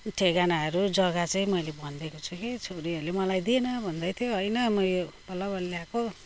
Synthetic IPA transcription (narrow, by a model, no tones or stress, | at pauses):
ʈʰeɡanaɦʌɾud͡zʌɡat͡sʌĩmʌjlebʌnd̪ekot͡sʰukit͡sʰoɾiʌɾulemʌlajd̪ienʌbʱʌnd̪ʌjt̪ʰjoɦʌjnʌmʌjjobʌlʌbʌlljako